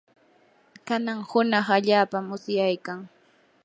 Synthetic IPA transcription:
kanaŋhʊnɑχaʎaːpamːʊsjajkaŋ

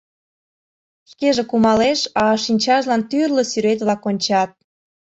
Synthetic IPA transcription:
ʃkeʒekumɑleʃɑʃinʲt͡ɕɑʒlɑnt̪yrlosyɾet̪βlɑkonʲt͡ɕɑt̪̚

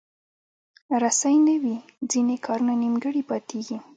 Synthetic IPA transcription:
ɾasajnəwid͡zinekʰɑɾunanimɡəɽipɑt̪eɡi

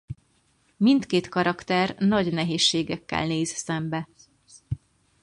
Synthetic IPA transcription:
mint̪keːt̪kɒɾɒkt̪ɛrnɒɟnɛɦeːʃːeːɡɛkːɛ̰lneːzsɛmbɛ

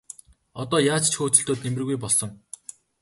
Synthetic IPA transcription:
ɔt̪ɔːjaːt͡st͡ɕʰxoːt͡sɵ̆ɬt̪oːt̪̚nemrɘ̆ɣujpɔɮsɞ̆ŋ

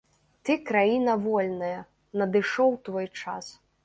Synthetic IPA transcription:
t̪ɨkɾajinɐvɔlʲnɐjɐ | nɐd̪ɨʂɔwt̪vɔjt͡ʂa̰s

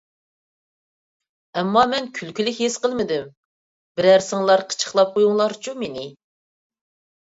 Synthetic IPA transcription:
ɛmːɑmɛnkʲʰylkʲylɪkʲɦesqəlˠmɪd̪ɪm | bɪɾæɾsɨŋlˠɑɾqʰə̥t͡ʃʰə̥χlˠɑp̚qʰojuŋlˠɑɾt͡ʃʰumenɪ

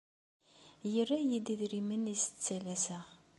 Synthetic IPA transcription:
jərːæjid̪iðɾimənisə̥t͡sːælæsəʁ

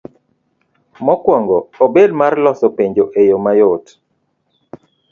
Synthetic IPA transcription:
mɔkwɔŋɡɔːbed̚marlɔsɔpeɲd͡ʒoʔejomajot

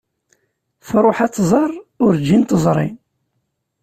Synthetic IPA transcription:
θɾˤoħat͡s̪ːzˤɑrˤʊɾd͡ʒint̪əzˤɾˤḭn

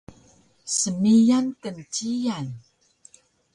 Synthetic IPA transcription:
səmijankənt͡ɕijan

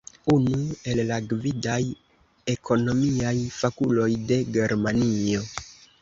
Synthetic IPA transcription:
unue̞llaɡvidaj | e̞kʰo̞no̞miajfakulo̞jde̞ɡe̞ɾmanio̞

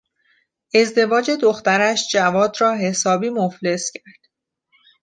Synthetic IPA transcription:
ʔe̞zd̪e̞vɒːd͡ʒe̞d̪oxt̪æɾæʃd͡ʒævɒːd̪rɒːɦe̞sɒːbiːmofle̞scʰæɾd̪̥

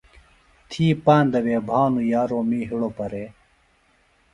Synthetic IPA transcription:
t̪ʰiːpaːnd̪ɐweːbʱaːnujaːɾoːmiːɦiɽopɐɾeː

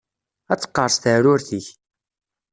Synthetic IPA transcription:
æt͡sːə̥qːəɾˤst̪əɾʊɾθiç

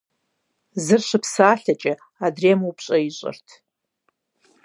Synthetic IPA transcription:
zɨrʃʷɨpʰsaːɬat͡ʃʼɪ | adremowpʰɕʼɐiɕʷʼɨ̰rtʰ

